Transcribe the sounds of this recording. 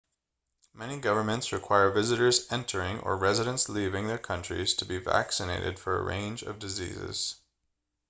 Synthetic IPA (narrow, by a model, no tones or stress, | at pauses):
mɛñiɡʌvə˞mɨ̃ntsɹɨkʰw̥aɪə˞vɪzɨɾə˞zɛ̃ntʰə˞ɪ̃ŋə̰˞ɹɛzɨɾə̃nslivɪ̃ŋðə˞kʰʌ̃nt͡ʃɹ̥ḭz̥tʰəbivæ̰ksɨneɪɾɨ̰d̥fə˞ə̰ɹḛ̃ɪ̃nd͡ʒʌ̰vdɨzḭzɪ̰z̥